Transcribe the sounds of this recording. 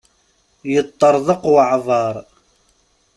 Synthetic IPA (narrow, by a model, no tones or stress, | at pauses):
jət̪ˤːɑɾˤðˤəqwʕðˤɑɾˤ